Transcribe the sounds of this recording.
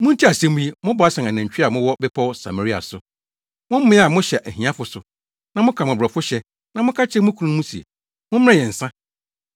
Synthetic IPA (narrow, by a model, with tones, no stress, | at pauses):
mʊ̃˦n̩˦tʰi˦a˨sɛ̃˦mũ˦i˦mʊ̃˦bɔ˨˦a˦sɛ̃˨na˨næ̃˨ɲ˨t͡ɕᶣi˦a˨mʊ̃˦wɔ˦bɛ˦pʰɔ˦wsa̰˨ma˨ɾi˦a̰˨sʊ˨ | mʊ̃˦m̩˦mɪ̃˦a˨mʊ̃˦ɕɛ˨ʔæ˨ɦĩ˨ã˦fʊ˨sʊ˨ | nã˨mʊ̃˦kʰa˨mʊ̃˨bɾɔ˨fʊ˦ɕɛ˦ | nã˨mʊ̃˦kʰa˦t͡ɕʰɛ˦mʊ̃˦kʰu˦nũ˦mũ˦si˨ḛ˨ | mʊ̃˦m˦ã˦jɛ̃˨n̩˨sã˦